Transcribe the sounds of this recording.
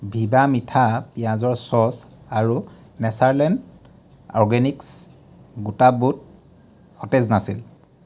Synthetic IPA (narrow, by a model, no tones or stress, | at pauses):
bʱibamitʰapijãzɔɹsɔsaɹu | nɛsaɹlɛnd | ɔɹɡɛniks | ɡutabut̚ | xɔtɛznasil